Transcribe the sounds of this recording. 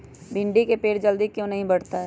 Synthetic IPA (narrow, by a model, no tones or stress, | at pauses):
bʱɪ̃ɳɖikepeːɽd͡ʒɐld̪ikjõnɐɦĩbɐɽ̤t̪aɦɛ